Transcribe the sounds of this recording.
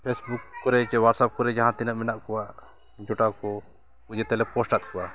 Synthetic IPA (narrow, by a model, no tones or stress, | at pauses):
pʰesbukːɔɾɛt͡ʃɛwaʈsap̚kɔɾɛd͡ʒaɦãt̪inaʔmɛnaʔkɔwaʔ | d͡ʒɔʈakɔ | kud͡ʒɛt̪ɛlɛpɔsʈat̪̚kɔwa